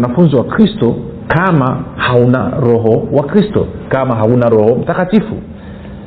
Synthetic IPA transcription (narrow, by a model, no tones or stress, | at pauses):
nafunziwakɾistɔ | kʰamahauna̰ɾɔɦɔwakɾistɔ̰kamaɦaunaɾɔɦɔm̩takatifṵ